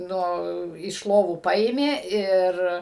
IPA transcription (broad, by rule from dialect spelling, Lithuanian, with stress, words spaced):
ˈnʊ ɪʃ ˈlˠoːʋuː ˈpɐeːmʲeː ˈɪr